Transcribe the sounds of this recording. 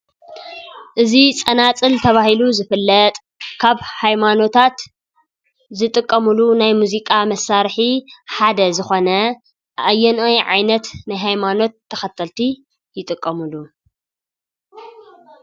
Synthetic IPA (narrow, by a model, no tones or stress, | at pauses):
ʔɨzit͡sʼɐnat͡sʼɨlt̪ʰɐβahiluzɨfɨlːɐt̪ʼ | kʰaβhajmano̞t̪ʰat̪ | zɨt̪ʼɨkʼːɐmulunajmuzikʼamɐsːaɾħiħad̪ɐzɨxo̞nɐ | ʔajɛnojʕa̰jnɐt̪najɦajmano̞t̪ʰːɐxɐt̪ʰːɐlt̪ʰi | jɪt̪ʼɨkʼːɐmɨlu